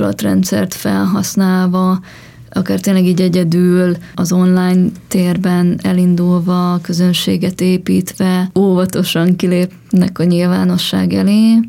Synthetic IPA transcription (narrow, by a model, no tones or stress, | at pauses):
lɒ̰t̪rɛ̰nt̪sɛ̰rt̪fɛ̰lɦɒsnaːlvɒ | ʔɒkaːrt̪eːnlːɛɡiɟɛɟɛd̪yːlɒzo̞nlaːjnt̪eːrbɛnɛlind̪ulvɒkøzø̞nʃḛːɡɛt̪eːpiːt̪ʋɛoːvɒt̪o̞ʃɒŋkileːp | nɛkɒɲilva̰ːno̞ʃːa̰ːɡɛleː